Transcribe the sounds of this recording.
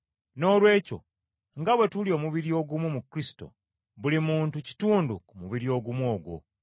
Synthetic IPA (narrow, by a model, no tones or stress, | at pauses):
no̞ːlwe̞ːco̰ | ŋɡaβwe̞tulio̞ːmuβiɾio̞ɡumumukɾisi̥to̞̰ | βulimuːntuci̥tuːndukumuβiɾio̞ːɡumwo̞ːɡwo̰